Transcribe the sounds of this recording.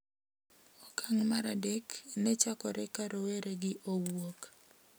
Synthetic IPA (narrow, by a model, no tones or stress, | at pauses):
ɔkaŋmaɾadeknɛt͡ʃakɔɾɛkaɾʔoweɾeɡɪʔowok